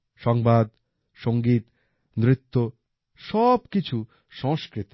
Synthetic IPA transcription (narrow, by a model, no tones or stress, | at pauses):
ʃɔŋbad̪ | ʃoŋɡit̪ | nɾit̪ːo | ʃɔbkit͡ʃʰu | ʃɔ̃ŋskɾit̪i̥